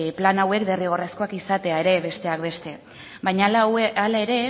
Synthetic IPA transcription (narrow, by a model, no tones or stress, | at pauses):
planawe̞kd̪eriɣ̞o̞rasko̞akisat̪e̞ae̞ɾe̞βe̞st̪e̞akbe̞st̪e̞ | bajɲaalae̞ɾe̞